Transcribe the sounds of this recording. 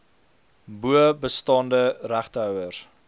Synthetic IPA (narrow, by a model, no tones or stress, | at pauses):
buəbəstɑːndəræχtɦœwər